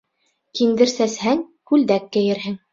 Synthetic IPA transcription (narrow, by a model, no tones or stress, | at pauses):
kind̪ɘ̆ɾsæshæŋkʉld̪ækːɘ̆jɘ̆ɾɦɘŋ